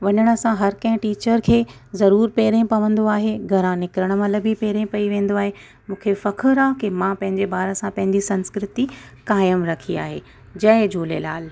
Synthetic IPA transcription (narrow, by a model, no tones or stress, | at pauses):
ʋɐɲəɽ̃ə̆sãɦɐɾkɐ̃ɦɪ̃ʈiːt͡ɕəɾkʰeː | zɐɾuːɾpeːɾẽpɐʋə̃nd̪oaːɦeɡʱɐɾãnɪkɾəɽ̃əmɐ̃ləbʱipeːɾẽpɐiʋẽːn̆d̪oaːɦe | mũːkʰefɐkʰəɾãkemãpɐ̃ɦɪ̃ɲd͡ʑebaːɾə̆sãpɐ̃ɦɪ̃ɲd͡ʑisɐ̃nskɾɪt̪ikaːjəmɾɐkʰia̰ːɦeː | d͡ʑɐɦd͡ʑoːlḛlaːl